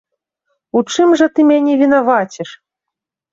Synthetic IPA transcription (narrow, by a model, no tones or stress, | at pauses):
ut͡ʂɨmʐɐt̪ɨmʲanʲɛvʲinavat͡sʲɛʂ